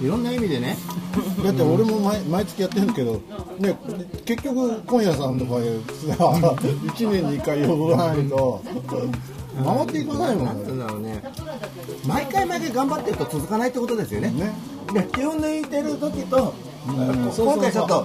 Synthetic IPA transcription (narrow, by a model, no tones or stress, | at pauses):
iɾõ̞nːaimʲid̪e̞ned̪at̪ːeoɾe̞mo̞maimait͡sɨ̥kʲijat̪ːeɯ̃ke̞d̪o̞ | ne̞ke̞kʲːokɯ̟kõ̞ɰ̃jasãnt̪o̞kad̪esɨait͡ɕinẽ̞ɲ̟ːiːkːaiod̪oɾanait̪o̞ | mamat̪ːe̞ikɯnasaimonoane | maikaimaikeɡãmbat̪ːe̞ɾɯ̟t̪o̞t͡sɨzɨkanait̪ːekot̪od̪e̞sɨjo̞nene̞ | d̪ekʲihɯ̃nd̪oit̪e̞ɾɯ̟t̪o̞kʲit̪o̞ | ɯ̃oõkːat͡ɕot̪ːo